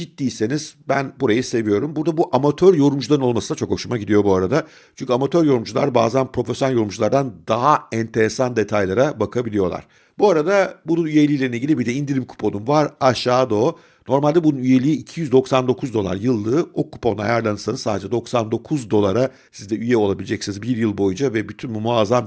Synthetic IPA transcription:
d͡ʒit̪ːiːse̞niz̥bænbuɾajɯse̞vijo̞ɾumbuɾd̪abuʔamat̪ʰøɾjo̞ɾumd͡ʒulˠaɾɯno̞lˠmasɯnat͡ʃʰo̞kho̞ʃumaɟid̪ijo̞buaɾad̪a | t͡ʃʰynɲcʰʲyamat̪ʰøɾjo̞ɾumd͡ʒulˠa̰ɾba̰ːzanpɾo̞fesjoalʲjo̞ɾumd͡ʒulˠaɾd̪and̪aɦaɛnt̪ʰe̞ɾesand̪e̞t̪ʰajlˠaɾabakʰabilʲijo̞lˠa̰ɾ̥ | buaɾad̪abununyje̞lʲijlʲe̞ɾineiɟilʲibiɾd̪ɛind̪iɾʲimkʰu̥pʰonumvaɾaʃaːd̪o̞ː | no̞ɾmalʲd̪ɛbununyje̞lʲiːcʰijyzd̪oksand̪o̞kʰuzd̪o̞lˠa̰ɾjɯlˠːɯːokʰːu̥pʰona̰jaɾlˠanɯsanɯzsaːd̪ed͡ʒɛd̪o̞ksand̪o̞kʰuzd̪o̞lˠaɾa | sizd̪ɛyjɛo̞lˠabilʲed͡ʒɛcsinizbiɾjɯlˠbo̞jund͡ʒavɛbyt̪ʰynbumuazam

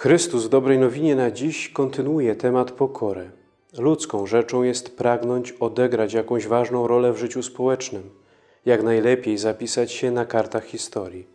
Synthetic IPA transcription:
xɾɘst̪uzvd̪ɔbɾɛjnɔvʲiɲɛnad͡ʑiɕkɔnt̪ɘnwujɛt̪ɛmat̪pɔkʰɔɾɛ | lut̪skɔ̃w̃ʐɛt͡ʂɔ̃w̃jɛst̪pɾaɡnɔɲt͡ɕɔd̪ɛɡɾat͡ɕjakɔ̃w̃ʑvaʐnɔ̃w̃ɾɔlɛvʐɘt͡ɕuspɔwɛt͡ʂnɘm | jakn̪ajlɛpʲjejzapʲisat͡ɕɕɛnakaɾt̪axxʲist̪ɔɾʲji

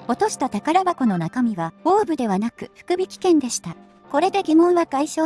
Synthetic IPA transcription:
o̞t̪o̞ɕi̥t̪at̪akaɾabako̞no̞nakamʲiβao̞ːbɯ̟d̪e̞β̞anakɯ̟ɸɯ̟̥kɯ̟bʲikʲi̥kẽ̞nd̪e̞ɕi̥t̪a | ko̞ɾe̞d̪e̞ɡʲimõ̞ɰ̃βaɡaiɕo̞ː

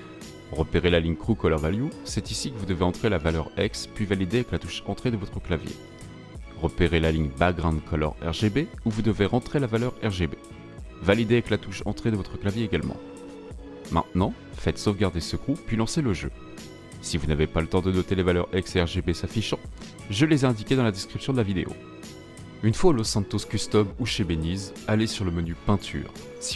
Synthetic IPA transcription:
ʁəpeʁelaliɲkχukɔlɔʁvaljusɛt̪isikəvud̪əveɑ̃t̪χelavalœʁɛkspɥivalid̪eavɛklat̪uʃɑ̃t̪χed̪əvɔt̪χəklavjḛ | ʁəpeʁelaliɲbaɡʁɑ̃d̪kʰɔlɔ̰ʁɛ̰ʁʒebeuvud̪əveʁɑ̃t̪χelavalœʁɛʁʒebe | valid̪eavɛklat̪uʃɑ̰̃t̪χed̪əvɔt̪χəklavjeeɡalmɑ̰̃ | mɛ̰̃t̪nɑ̃ | fɛt̪sofɡaʁd̪esəkupɥilɑ̃seləʒø̰ | sivunavepalət̪ɑ̃d̪ənɔt̪elevalœʁɛksɛʁʒebesafiʃɑ̃ | ʒəlezɛɛ̃d̪ikʲed̪ɑ̃lad̪ɛskχipsjɔ̃d̪əlavid̪ḛʔo̰ | ynfwalɔsɛ̃nt̪oskʲyst̪ɔbuʃebeniz | alesyʁləmənypɛ̃t̪ʰy̰ːʁ | s

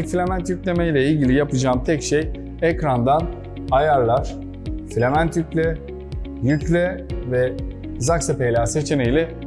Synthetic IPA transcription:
filʲemænt̪jycʲlʲemejlʲɛilʲɟilʲijapɯd͡ʒaːmt̪ʰɛcʃej | ɛcɾand̪an | ajaɾlˠaɾ̥ | flʲemænt̪jycʲlʲɛ | jyclʲɛvɛ | zaksepejlʲaːse̞t͡ʃʰe̞nejlʲɛ

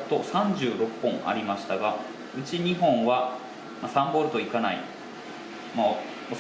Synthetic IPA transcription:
t̪o̞sãɲ̟d͡ʑɨːɾo̞pːõ̞ɴa̰ɾʲimaɕi̥t̪aɡa | ɯ̟t͡ɕiɲ̟iɦõ̞ɰ̃βa | masãmbo̞ɾɯ̟t̪o̞ikanaḭ | mo

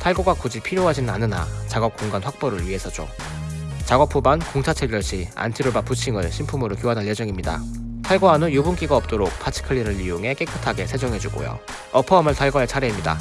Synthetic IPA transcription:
tʰaɭɡoɡakud͡ʑipʰiɾjoɦad͡ʑinnanɯna̰t͡ɕaɡʌp̚k͈oŋɡanɸwak̚p͈ʌɾɯɭɥiɦe̞sʰʌd͡ʑo̰ | t͡ɕaɡʌp͈ʰubankoŋt͡ɕʰat͡ɕʰeɡjʌɭɕʰia̰ntʰiɾobaput͡ɕʰiŋɯɭɕʰimpʰumɯɾokjoɦadanje̞d͡ʑʌŋimɲida̰ | tʰaɭɡoɦanojubunk͈iɡaʌp̚t͈oɾok̚pʰat͡ɕʰi̥kʰɯɭːiɾɯɭioŋɦe̞k͈e̞k͈ʰɯtʰaɡe̞sʰe̞d͡ʑʌŋɦe̞d͡ʑuɡo̰jo̰ | ʌpʰʌʌmɯɭtʰaɭɡoɦaɭt͡ɕʰaɾeimɲida̰

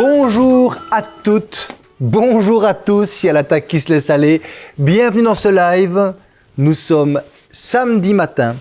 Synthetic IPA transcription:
bɔ̃ʒuʁat̪ut̪ | bɔ̃ʒuʁat̪usialat̪akʲːisəlɛsalebjɛ̃vnyd̪ɑ̃səlajv | nusɔm | samd̪imat̪ɛ̃

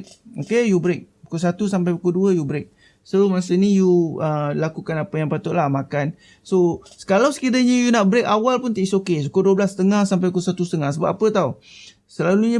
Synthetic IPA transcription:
okejubɾek̚pukosat̪usamp̬ajpukoduəjubɾek̚ | soməas̬ənijuəlakukanapəjaŋpat̪ʊʔlahmakan | sosə̥kalawsə̥kidəɲəjunaʔ̚bɾek̚awalpunt̪aʔisokesukoduəblast̪əŋahsampajukosat̪usət̪əŋahsəba̰p̚ʔapət̪au | səlaluɲə

